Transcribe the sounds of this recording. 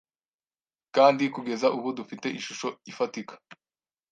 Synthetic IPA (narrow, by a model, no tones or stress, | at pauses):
kaːndikuɡe̞zaʔuβudufite̞ʔiʃuʃo̞ifatikḁ